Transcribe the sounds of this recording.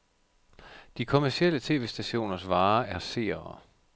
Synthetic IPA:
d̥ikʰo̝mæɐsiel̰ət͡sʰe̝̰ːʋe̝̰ːsd̥æɕo̝̰ːnɐsʋɑ̈ːæɐse̝̰ːɐɐ

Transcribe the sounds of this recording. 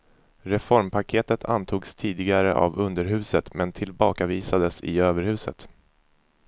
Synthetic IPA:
ɾɛfɔɾmpʰakʰeːt̪ət̪ʰa̰nt̪ʰuːɡst̪ʰiːd̪ɪɡaɾə̰ʔa̰vɵnd̪əɾɦʉ̟ːsət̪mɛnt̪ʰɪlbɑːkaviːsad̪əsɪ̰øːvəɾhʉ̟ːsə̰t̪

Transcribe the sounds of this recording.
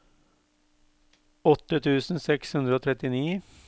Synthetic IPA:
ɔt̪ːət̪ʰʉːsn̩sɛkshʉnd̪ɾəoːt̪ʰɾɛt̪ɪniː

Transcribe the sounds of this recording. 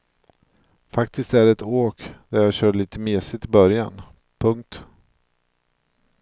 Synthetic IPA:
fakt̪ʰɪst̪æɾɛt̪oːkd̪æɾjɑːɕœːɖɭiːt̪ʰəmeːsɪt̪ʰːɪbœɾja̰n | pʰɵŋk̚t̪

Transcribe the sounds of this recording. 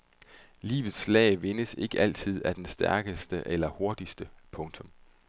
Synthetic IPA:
lḭːʋð̞̩ˠslɛ̰ɪʋe̝nəse̝ɡ̥əʔæl̰t͡sʰið̞̰ˠæd̥ensd̥æɐɡ̥əsd̥əʔelɐho̝ɐd̥isd̥əpʰɔ̽ŋt͡sʰɔ̽m

